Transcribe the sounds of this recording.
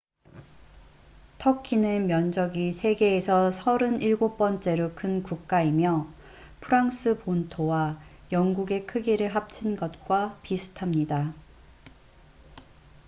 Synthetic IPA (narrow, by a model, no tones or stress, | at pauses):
tʰʌkʰinɯnmjʌnd͡ʑʌɡisʰe̞ɡe̞ːsʰʌsʰʌɾɯniɭɡop͈ʌnt͡ɕ͈e̞ɾokʰɯnkuk̚k͈aimjʌ | pʰɯɾaŋs͈ʰɯpontʰowa | jʌŋɡuɡe̞kʰɯɡiɾɯɭɦap̚t͡ɕʰinɡʌt̚k͈wapisʰɯ̥tʰamɲida